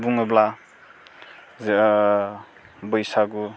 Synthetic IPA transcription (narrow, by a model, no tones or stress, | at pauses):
buŋɯbla | z | bɯjsaɡu